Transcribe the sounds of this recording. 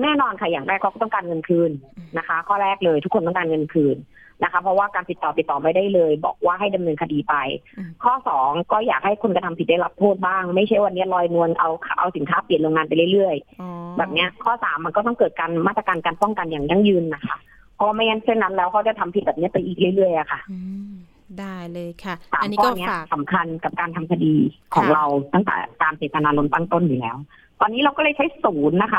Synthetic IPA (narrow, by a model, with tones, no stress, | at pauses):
nɛː˥˩nɔː˧nkʰa˥˩jaː˨˩ŋɾɛː˥˩kʰa˧˦wkɔː˥˩t̪ɔ˥˩kaː˧nŋɤ˧nkʰɯː˧nːa˦˥kʰa˦˥kʰɔː˥˩ɾɛː˥˩k̚lɤː˧jt̪ʰu˦˥kʰːo˧nt̪ɔ˥˩kaː˧nŋɤ˧nkʰɯː˧n | na˦˥kʰa˦˥pʰɔ˦˥waː˥˩kaː˧nt̪i˨˩t̪ːɔː˨˩t̪i˨˩t̪ːɔː˨˩ma˥˩jdaː˥˩jlɤː˧jbɔ̰ː˨˩k̚waː˥˩ɦa˥˩jda˧mnɤː˧nkʰa˧diː˧pa˧jkʰɔː˥˩sɔː˩˦ŋkɔː˥˩jaː˨˩k̚ha˥˩jkʰu˧nka˧t̪ʰa˧mʰpi˨t̪̚da˥˩la˦˥p̚t̪ʰoː˥˩t̪̚baː˥˩ŋma˥˩jt͡ɕʰa˥˩jwa˧nːi˦˥ɐlɔː˧jnu˧ənʔa˧wkʰʔa̰˧wsi˩˦nkʰaː˦˥pli˨˩ənloː˧ŋaː˧npa˧jlɯ˥˩lɯ˥˩əjbɛː˨˩p̚ni˦˥ɐkʰɔː˥˩saː˩˦mːa˧nkɔː˥˩ɔ˥˩ŋkɤː˨˩t̪̚kaː˧nmaː˥˩t̪ɾa˧kaː˧nkaː˧npɔ˥˩ŋka˧njaː˨˩ŋja˥˩ŋjɯː˧nːa˦˥kʰa˥˩ | pʰɔː˧ma˥˩a˧˥nse˥˩nːa˦˥nlɛː˦˥wkʰa˧˥wt͡ɕa˨˩t̪ʰa˧mpʰi˨˩t̪̚bɛː˨˩p̚n˦˥ɐpa˧jʔiː˨˩k̚lɯ˥˩jlɯ˥˩əjʔa˨˩kʰa˥˩ | da˥˩jlːjʰsa̰ː˩˦mkɔː˥˩ni˦˥ɐsa˩˦mkʰa˧nka˨˩p̚kaː˧nt̪ʰa˧mkʰa˧diː˧kʰɔ̰ː˩˦ŋɾa˧wt̪a˥˩ŋt̪ɛ̰˨˩k̪aː˧nseː˨˩t̪a˧naː˧lo˧nt̪a˥˩ŋt̪o˥˩njuː˨˩lɛː˦˥w | t̪ɔː˧nːiː˦˥ɾla˧wkɔː˥˩lɤ˧˩jt͡ɕʰa˦˥jsuː˩˦nːa˦˥kʰa˦˥˩